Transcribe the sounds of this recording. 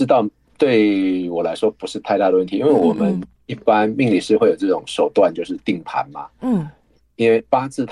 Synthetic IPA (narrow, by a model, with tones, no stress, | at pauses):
t̪ɑ˥˨ʊ | t̪we˥˩ɪwɔ˨˩la˧˥ɪʂwɔ˦pu˧˦ʂɻ̩˥˧t̪ʰa˥˧ɪt̪a˥˧˩ɾə˩wə˥˩nt̪i˨˦i˦nwe˥˩ɪwɔ˨˩mə˨˦n | i˥˩pa˦nmi˥˧ŋli˨˩ʂɻ̩˥˧xwe˥˩ɪjo˨˩ʊʈ͡ʂɤ˥˩ʈ͡ʂʊ˨˩˦ŋʂo˨˩ʊt̪wa˥˨nt͡ɕjo˥˧ʊʂ̬ɻ̩˥˧t̪i˥˩ŋp̪ʰa̰˨˦nma̰˨˥˩ | i˥nwe˥˩ɪpa˥t͡sʰɹ̩˥˩t̪ʰ